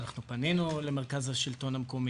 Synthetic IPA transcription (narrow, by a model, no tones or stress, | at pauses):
naχnupaninulemeʁkazaʃilto̞nhameko̞mi